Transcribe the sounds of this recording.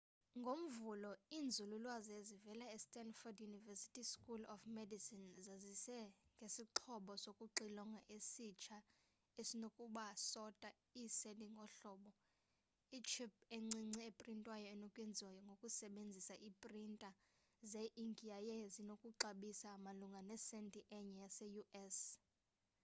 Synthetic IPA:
ŋɡʱom̩vulɔiːnd͡zʱululwazezivɛlaɛstʼɛnfɔdjunivɛsi̥tʼiskʼulɔfmedisinzazisɛŋɡʱesiǃʰɔɓɔsokʼuǃilɔŋɡʱaʔesit͡ʃʰa | esinokʼuɓasɔtʼa | iseliŋɡʱɔɬɔːɓɔ | it͡ʃʰip̚eŋ͡ǀiŋ͡ǀiepʼrintʼwajɔɛnɔkʼwɛnd͡zʱwajɔŋɡʱokʼusɛɓend͡zʱisaʔipʼrintʼa | zeʔiŋɡʱʼiajɛzinokʼuǁaɓisaːmaluŋɡʱanɛsɛntʼiʔɛɲɛjasɛjuʔɛs

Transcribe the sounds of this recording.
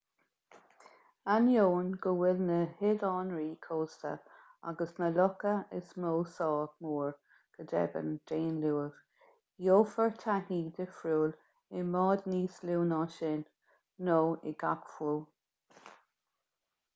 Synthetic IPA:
anjoːnɡəwɪlnəhɪlɑːnɹiːkʰoːst̪ə̰ | a̰ɡəsnəlɔkəɪsmoːsɑːɡmuːɹ | ɡ̥əd̪ɛ̰bə̰ndeːnluːəv̥ | joːfəɹtʰahiːd̪ɪfɹuːl | ɪmɑːd̪niːsluːnɑʃɪnː | oːɪ̰ɡakfuː

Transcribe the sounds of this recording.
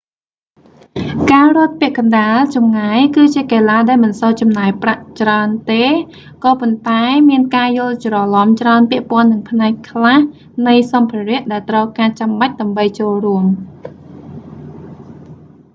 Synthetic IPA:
kaːrŏət̪̚pɛ̆əʔkɑnɗaːlt͡ɕɑmŋaːjkɨːt͡ɕiəkaːlaːɗaɛlmɨnsɑːt͡ɕɑmnaːjpraʔt͡ɕraənt̪eː | kɑːpont̪aɛmiənkaːjʊ̆əlt͡ɕrɑlɑmt͡ɕraənpĭəʔpŏənːɨŋpʰnaɛkʰːlah | nɨjsɑmpʰiərɛəʔɗaɛlt̪rəwkaːt͡ɕamɓac̚ɗăəmɓəjt͡ɕoːlruəm

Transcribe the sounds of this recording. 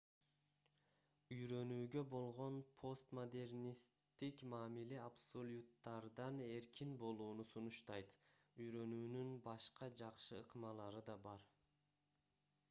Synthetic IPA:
yjɾø̞nyːɡø̞bo̞lˠʁo̞npʰo̞st̪mod̪e̞rnʲist̪ːikmɑːmileabso̞lʲut̪ːɑɾd̪ɑne̞ɾkʲinbo̞lˠuːnusunuʃt̪ɑjt̪yjɾø̞nyːnynbɑʃqɑd͡ʒɑqʃɯɯqmɑlˠɑɾɯd̪ɑbɑɾ

